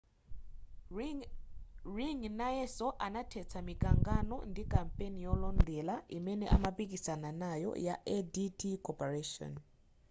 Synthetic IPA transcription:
riŋnajɛsɔʔanatʰɛt͡sʰamikʼaŋɡanɔ̰ndikʼampʼenijɔlɔndɛlaimɛnɛʔamapʼikʼisananajɔ̰jaʔeditikʰʼɔpʼɛreʃɔ̰n

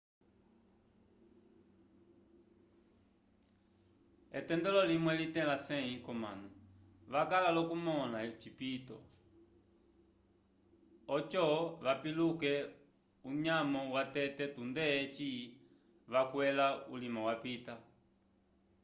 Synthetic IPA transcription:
ɛ̰tɛndɛlɔlimwɛlitɛ̃lasɛĩkɔma̰nu | ʋakalalɔkumɔlat͡ʃipitɔ̰ | ɔt͡ʃɔʋapilukɛ | uɲamɔwatɛtɛtundɛt͡ʃi | ʋakwɛlaulimawapita

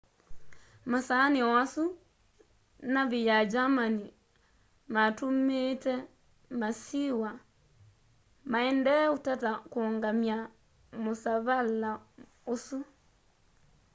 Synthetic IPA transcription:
masaːniɔwasu | naβijad͡ʒamani | matumeːtɛ | masiwa | maɛndɛotatakoŋɡamja | mosaβala | osu

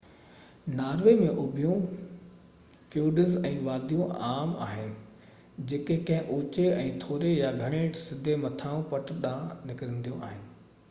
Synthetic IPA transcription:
naːɾʋemẽʔʊbʱijõ | fuːɖəzɛ̃ːʋaːɾd̪ʱijõaːma̰ːɦɪnɪ̆ | d͡ʑeːkekɐ̃ɦɪ̃ʔoːt͡ɕeɛ̃ːt̪ʰoːɾejaɡʱɐɽ̃ẽːʈsɪd̪ʱemɐt̪ʰaːũpɐʈɗãːnɪkɪɾə̃nd̪ijũa̰ːɦɪnɪ̆

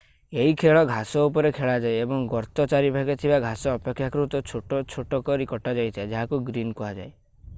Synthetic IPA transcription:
eɦikʰeɭɔɡʱasɔupɔɾekʰeɭad͡ʒajebɔŋɡɔɾt̪ɔt͡ʃaɾibʱaɡet̪ʰibaɡʱasɔːpekʰːjakɔɾut̪ɔt͡ʃʰoʈɔt͡ʃʰoʈɔkɔɾikɔʈad͡ʒajt̪ʰiad͡ʒaɦakuɡɾinkɔɦad͡ʒa̰e

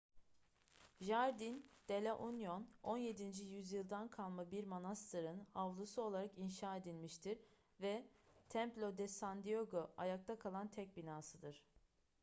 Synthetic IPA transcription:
ʒaɾd̪ind̪̥elʲaʔunjono̞nje̞d̪ind͡ʒijyzjɯlˠd̪ankʰalˠmabiɾmonast̪ʰɯɾɯnavlˠusuo̞lˠaɾakinʃaːe̞d̪ilʲmiʃt̪ʰiɾ | vɛt̪ʰɛmplʲo̞d̪ɛsand̪io̞ɡoʔajak̚t̪ʰakʰalˠant̪ʰɛc̚ʲbinaːsɯd̪ɯɾ̥

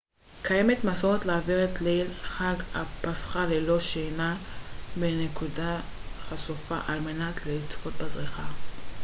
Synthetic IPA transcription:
kʰaje̞metmasoʁet̪laaviʁetlelχaɡapasχalelo̞ʃejnabenekudaχasufaʔalmenat̪leit͡sfot̪̚bazʁiχa

